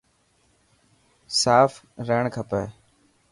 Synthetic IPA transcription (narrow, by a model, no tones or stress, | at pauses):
saːf | ɾəːɳkʰəpeː